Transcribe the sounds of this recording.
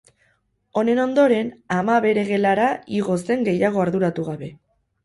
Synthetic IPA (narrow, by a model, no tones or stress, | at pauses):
o̞ne̞no̞nd̪o̞ɾe̞namaβe̞ɾe̞ɣe̞laɾaiɣo̞se̞ŋɡe̞jaɣ̞o̞aɾðuɾat̪uɣaβe̞